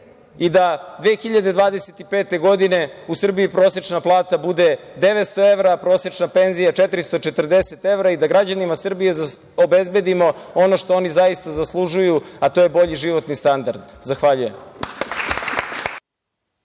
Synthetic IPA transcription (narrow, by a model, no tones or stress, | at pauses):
id̪ad̪ʋeːxiʎad̪e̞d̪ʋaːd̪eset̪ipeːt̪e̞ɡo̞d̪ine̞usr̩biipɾo̞ːsje̞t͡ʃnaplˠaːt̪abud̪e̞d̪e̞ʋet̪st̪o̞e̞ʋɾapɾo̞ːsje̞t͡ʃnape̞nzijat͡ʃet̪ɾist̪o̞t͡ʃet̪r̩d̪e̞set̪e̞ʋɾaid̪aɡɾad͡ʑanimasr̩bije̞z | obezbe̞d̪imo̞o̞no̞ʃt̪o̞o̞nizaist̪azaslˠuʒujuat̪o̞je̞bo̞ʎiʒiʋo̞t̪nist̪and̪aɾd̪zaxʋaʎuje̞m